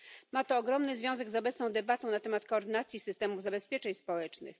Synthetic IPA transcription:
mat̪ɔːɡɾɔmnɘzvʲjɔ̃w̃zɛɡzɔbɛt̪snɔ̃w̃d̪ɛbat̪ɔ̃w̃nat̪ɛmat̪̚kɔːɾd̪ɘnat̪sʲjisɘst̪ɛmuvzabɛspʲjɛt͡ʂɛɲspɔwɛt͡ʂnɘ̰x

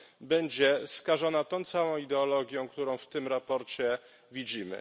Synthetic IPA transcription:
bɛɲd͡ʑɛskaʐɔnat̪ɔ̃w̃t̪sawɔ̃w̃id̪ɛɔlɔɡʲjɔ̃w̃kt̪uɾɔ̃w̃ft̪ɘmɾapɔɾt͡ɕɛ | vʲid͡ʑimɘ̰

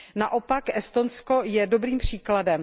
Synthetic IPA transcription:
naʔopakʔɛst̪o̞nsko̞jɛdo̞bɾiːmpr̝̥iːkladɛm

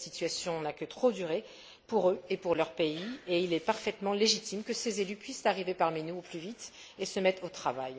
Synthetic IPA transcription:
sit̪ɥasjɔ̃nakət̪χod̪yʁe | puʁøepuʁlœʁpeieilɛpaʁfɛt̪mɑ̃leʒit̪imkəsezelypɥist̪aʁivepaʁminuuplyvit̪ | esəmɛt̪χot̪χavaj

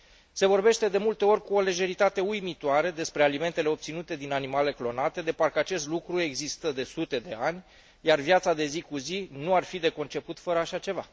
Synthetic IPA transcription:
se̞vo̞rbe̞ʃt̪e̞d̪e̞mult̪e̞o̞rʲkuo̞le̞ʒe̞ɾit̪at̪e̞ujmit̪oaɾe̞d̪e̞spɾe̞alime̞nt̪ele̞o̞p̚t̪sinut̪e̞d̪inanimale̞klo̞nat̪e̞d̪e̞parkəat͡ʃe̞st̪lukɾue̞ɡzist̪əd̪e̞sut̪e̞d̪e̞anʲ | jarvjat̪sad̪e̞zikuzinuarfid̪e̞ko̞nt͡ʃe̞put̪fəɾəaʃat͡ʃe̞va

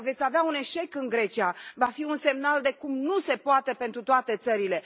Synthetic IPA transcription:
ve̞t̪sʲaveaune̞ʃe̞kɨŋɡɾe̞t͡ʃiavafiunse̞mnald̪e̞kumnuse̞poat̪e̞pe̞nt̪ɾut̪oat̪e̞t̪səɾile̞

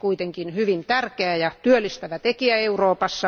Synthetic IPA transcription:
kuit̪eŋkinhyʋint̪ærkeæjɑt̪yølːist̪æʋæt̪ekiæeuroːpɑsːɑ

